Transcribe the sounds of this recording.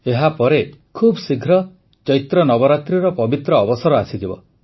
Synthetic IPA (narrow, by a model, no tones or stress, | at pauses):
eɦapɔɾekʰubsiɡʱɾɔ | t͡ʃɔjt̪ɾɔnɔbɔɾat̪ɾiɾɔpɔbit̪ɾɔːbɔsɔɾɔasid͡ʒ̪ibɔ̰